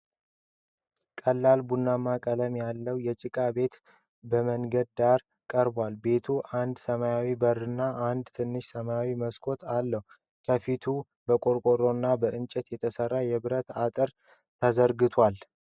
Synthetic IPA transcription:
kʼəlːalbunːamakʼələmjalːəwjɛt͡ʃʼɪkʼabe̞t̪ | bəməŋɡəd̪̚d̪aɾ | kʼəɾbwalbe̞t̪ʰuʔand̪səmajawibərːɨnːaʔand̪t̪ʰɨnːɨʃsəmajawiməskʰo̞t̪ʰalːəhu | kʰəfit̪ʰu | bəkʼo̞ɾkʼo̞ɾo̞nːabəɨnt͡ʃʼɛt̪jɛt̪ʰəsərːajɛβɨɾət̪at̪ʼɨɾ | t̪ʰəzəɾɡɨt̪ʰwal

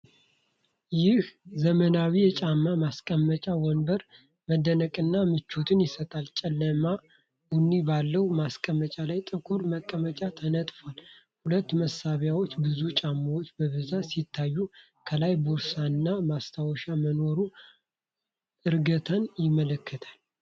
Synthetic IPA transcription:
jɪhzəmənawijɛt͡ʃʼamːamaskʼəmːət͡ʃʼawɔnbəɾ | məd̪ənəkʼɨnːamɨt͡ʃːot̪ʰɨnjɪsət̪ʼalt͡ʃʼɛlːəma | ʔɨnːibalːəwmaskʼəmːət͡ʃʼalajt̪ʼɨkʰuɾməkʼːəmət͡ʃʼat̪ʰənət̪ʼfal | hulət̪ːməsaβjawot͡ʃːbɨzut͡ʃʼamːawot͡ʃːbəβɨzasit̪ʰːajːu | kʰəlajboɾsanːamast̪ʰawɔʃaməno̞ɾu | ʔɨɾɡət̪ʰanjɪmːələkʰːət̪ʰal

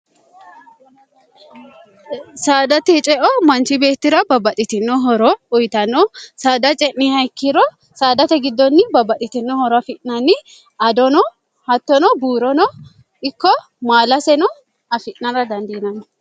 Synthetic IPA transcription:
saːd̪ɐt̪ɛt͡ʃʼɛʔɔmɐnt͡ʃɪbeːt̪ːɪɾɐbɐbɐtʼɪt̪ɪnːɔɦɔɾɔʊjt̪ɐnːɔsaːd̪ɐt͡ʃʼɛʔnɪhɐjkːɪɾɔ | saːd̪ɐt̪ɛɡɪd̪ːɔnːɪbɐbɐt̪ʼɪt̪ɪnːɔhɔɾɐfɪʔnɐnːɪ | ʔɐd̪ɔnɔ | hɐt̪ːɔnɔbuːɾɔnɔ | ɪkːɔ | maːlɐsɛnɔ | ɐfɪʔnɐɾɐd̪ɐnd̪iːnɐnɔ

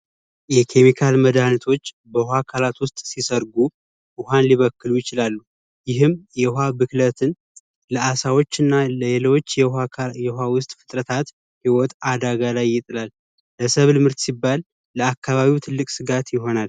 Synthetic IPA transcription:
jɛkʰe̞mikʰalməd̪anit̪ʰo̞t͡ʃː | bəhakʰalat̪wʊst̪ʼsisəɾɡu | ʔʊhanliβəkːɨlujɪt͡ʃɪlalːu | jɪɦɨmjɛhabɨklət̪ʰɨn | ləasawo̞t͡ʃːɨnːaləjɛlwot͡ʃːjɛhawʊst̪ʼfɨ̥t̪ʼɾət̪ʰat̪ | hiwɔt̪ʼad̪aɡalajːɪt̪ʼɨlalː | əsəβlɨmɨɾt̪sibːalː | əakːaβaβiwt̪ʰɨlːɨkʼsɨɡat̪jɪɦo̞nal

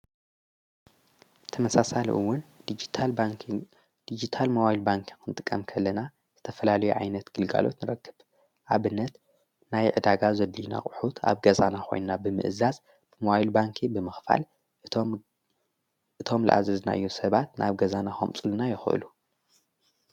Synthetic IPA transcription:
t̪ʰɐmɐsasalḭʔṵwːʊnd͡ʒ | d̪̥id͡ʒit̪ʰalmɐwahilbaŋkʰi̥kʰɨnt̪ʼɨkʼːɐmkʰɐlːɐna | z̥ɨt̪ʰɐfɐlalɐjuʕa̰jnɐt̪ɡ̥ɨlɡa̰lo̞̰t̪nɨɾɐkːɨβ | ʔaβɨnːɐt̪ | najʕɨd̪aɡazɐd̪ːina̰kʼɨħut̪ʰa̰βɡɐzanaxʰo̞̰jnnabɨmɨ̰ʔɨzaz | bɨmɐwajlbaŋkʰibɨmɨxfa̰l | ʔɨt̪ʰo̞mla̰ʔa̰zɐzna̰ʔɨ̰jːusɐβat̪nʔa̰βɡɐzanaxo̰mt͡sʼɨlunajɪxʔɨ̰lu

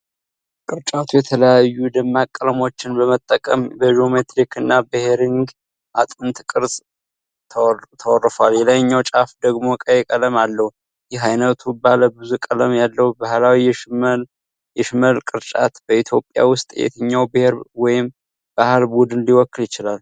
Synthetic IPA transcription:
kʼɨɾt͡ʃʼat̪ʰujɛt̪ʰələjajːud̪ɨmːakʼːələmo̞t͡ʃːɪnbəmət̪ʼːəkʼəmbəʒo̞met̪ɾikɨnːabɨheɾiŋɡ | ʔat̪ʼɨnt̪kʼɨɾsʼ | t̪ʰt̪ʰəwɔrːfaljɛləjɲːawt͡ʃʼafd̪əɡmo̞kʼəjɛkʼələmalːəhu | jɪɦajnət̪ʰubaləbɨzukʼələmjalːəhubahlawij | jɛʃɪməlkʼɨɾt͡ʃʼat̪bəit̪ʰjo̞pʼja̰wʊst̪ʼjɛ̰t̪ʰəɲːawbɨheɾwɔjɪm | b̥ahalbud̪ɨnliwɔkːɨljɪt͡ʃɪlal

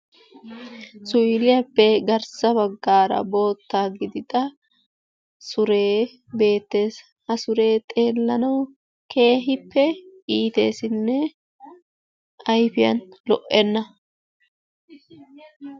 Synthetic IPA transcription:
sʊjlɪjɐpːɛɡɐɾsɐbɐɡːaːɾɐ̰bo̞ːt̪ːaːɡɪd̪ɪd̪ʼɐ | sʊɾeː | be̞ːt̪ːe̞ːs | hɐsʊɾe̞ːt̪ʼe̞ːlːɐnɐw | kʰe̞ːɦɪpːɛiːt̪e̞̰ːsɪnːɛ | ʔɐjfɪjɐ̰nlɔʔːɛnːɐ

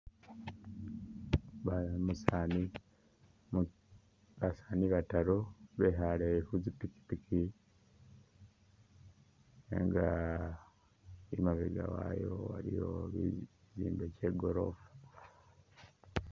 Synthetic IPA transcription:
amusani | βasaːniβataɾoβeɦaleihuzipiki̥pikʰi | ḛŋɡa | imaβḛɡa̰wa̰jowa̰ɾijo̰βḭ | ziːmbeceːɡoɾovḁ

